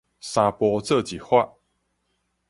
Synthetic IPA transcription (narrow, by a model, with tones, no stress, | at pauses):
sa˧pwɔ˧t͡sɤ˥˨t͡ɕi˨˩xwa˥˨